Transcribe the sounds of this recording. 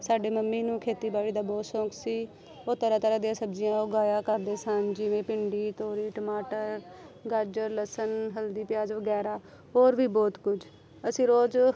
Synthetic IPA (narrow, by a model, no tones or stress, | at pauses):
saːɖeːməmːiːnũːkʰeːt̪iːbaːɭiːd̪aːbɔːt̪sɔ̃ːkʰsiː | oːt̪əɾaːt̪əɾaːd̪ijãːsəbd͡ʒɪjãːʊɡaːjaːkəɾd̪eːsənd͡ʒɪʋẽːpɪɳɖiːt̪oːɾiːʈəmaːʈəɾɡaɾd͡ʒəɾləsənɦəld̪iːpɪjaːzʋəɡɛːɾaː | ɦoːɾʋiːbɔːt̪kʊd͡ʒ | əsĩːɾoːd͡ʒ